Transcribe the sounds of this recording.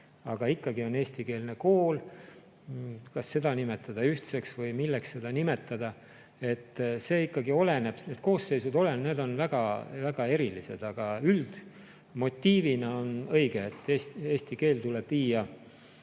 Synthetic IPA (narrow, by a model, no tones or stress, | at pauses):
ɑɡ̥ɑikːɑɡio̞ne̞ːsʲt̪ike̞ːlneko̞ːl | kɑsːe̞d̪ɑnime̞t̪ːˑɑd̪̥ɑyht̪seksvɤjmilːeksːe̞d̪̥ɑnime̞t̪ːˑɑd̪̥ɑ | e̞t̪ːse̞ːikːɑɡio̞le̞ne̞b̥neːd̪̥ko̞ːsːe̞jsud̪o̞le̞nne̞ːd̪o̞nvæɡ̥ɑvæɡ̥ɑe̞ɾilise̞̰d̪̥ɑɡ̥ɑyld̪̥ | mo̞t̪ʲːiːvinɑo̞nɤjɡ̥eːt̪ːeseːst̪ike̞ːlt̪uleb̥viːjɑ